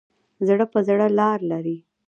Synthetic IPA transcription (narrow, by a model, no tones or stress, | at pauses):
zɽəpəzɽəlɑɾlaɾi